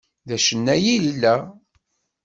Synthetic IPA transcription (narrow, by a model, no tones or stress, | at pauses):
ðæʃənːæjillːæ